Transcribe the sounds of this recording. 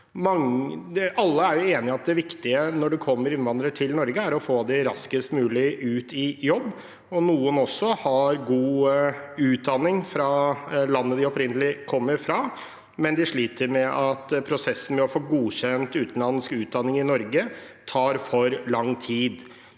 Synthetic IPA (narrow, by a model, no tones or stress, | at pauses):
mɑŋ | ʔɑlːəæɾjʊeːnɪɑt̪̚d̪ɛʋɪkt̪ɪənɔɖɛkʰɔmːəɾɪnʋɑnd̪ɾəʈʰɪlnɔɾɡəæɾɔfoːd̪ɛɾɑskəst̪mʉːlɪʔʉːt̪ɪjɔbː | ɔnuːənɔsːɔhɑɾɡuː | ʉːt̪̚d̪ɑnːɪŋfɾɑlɑnːəd̪ɪɔpɾɪnəlɪkʰɔmːəɾfɾɑ | mɛnd̪ɪʂɭiːt̪ʰəɾmɛʔɑt̪pʰɾʊsɛsːən̩mɛɔfoːɡuːçɛnt̪ʉːt̪n̩lɑnːskʉːt̪̚d̪ɑnːɪŋɪnɔɾɡət̪ʰɑːɾfɔɾlɑŋːt̪ʰiːd̪